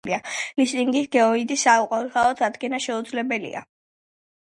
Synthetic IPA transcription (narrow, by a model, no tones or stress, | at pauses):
lialist̪ʼiŋɡisɡɛɔid̪isːauqʼwaχaɔt̪ʰad̪ɡɛnaʃɛud̪zlɛbɛlḭa̰